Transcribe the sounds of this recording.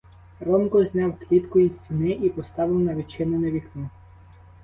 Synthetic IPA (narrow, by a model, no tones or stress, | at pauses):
rɔmkɔzʲnʲɑwklʲit̪kʊizsʲtʲinɪʔipɔst̪ɑʋɪwnɐʋʲit͡ʃɪnɔneʋʲiknʊ